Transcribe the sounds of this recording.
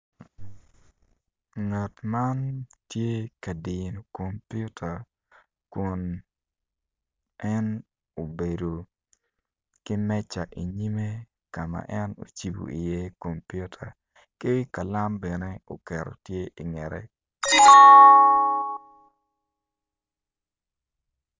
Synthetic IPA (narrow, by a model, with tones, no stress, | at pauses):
ŋa˨tma˦ntje˦ka˨di˨no˨ko˨mpju˦tʰa˨ | ku˨n | ɛ˦n | o˨be˨do˨ | kɪ˦mɛ˦t͡ʃa˨ʔi˨ɲi˦me˦ | ka˨ma̰˨ʔɛ˦no̰˨t͡ʃi˨bo̰˨i˨je˦ko˨mpju˦tʰa̰˨ | kɪ˦ka˨la˦mbɛ˨ne˦o̰˨kɛ˨ɾo̰˨tje˦ʔi˨ŋɛ˨ɾʔɛ̰˦